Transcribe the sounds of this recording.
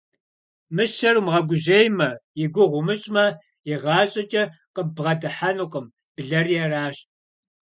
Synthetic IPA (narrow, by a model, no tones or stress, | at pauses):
mɨʃɐrumʁɐɡʷʊʑejmɐjɪɡʷʊʁʷʊmɨɕʼmɐ | jɪʁɑːɕʼɐt͡ʃʼɐqəbʁɐdɨħanuqʼəm | b̥ɮɐrjɛraːɕ